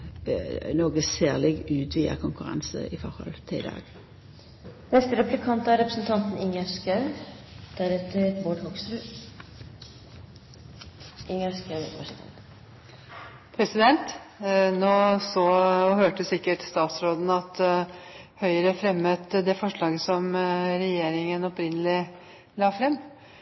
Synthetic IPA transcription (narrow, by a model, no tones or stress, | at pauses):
noːɡəseːʁlɪɡʉːt̪ʰʋiːə̰kʰʊŋkʉɾɑ̰nsə̰ʔɪfɔʁhɔ̰lt̪ʰɪd̪ɑ̰ːɡ̥ | nɛst̪əɾɛplɪkʰɑnt̪ɑɾɛpɾəsnt̪ʰɑnt̪n̩ɪŋæʂkɑʉ | d̪̥æɾɛt̪əɾboːɖhɔɡsɾʉ | ʔɪŋæskɑɑʂnt̪ɑ̰nt̪ | pʰɾɛsɪd̪ɛnt̪noːsɔhøːʈəsɪkːəʈst̪ɑːt̪sɾoːd̪n̩ɑt̪ | hœʏəɾəfɾɛmːət̪d̪ɛfɔʂɭɑːɡəsɔmɾɛjeːɾɪŋənɔpɾɪnːəlɪ | lɑːfɾɛmː